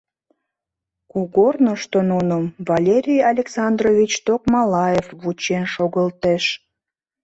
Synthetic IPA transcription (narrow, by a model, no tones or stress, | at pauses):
kuɣornoʃt̪onunəmvɑlʲeɾʲijɑlʲeksɑnd̪rovʲit͡ɕt̪okmɑlɑjefβut͡ɕenʃoɣəlt̪eʃ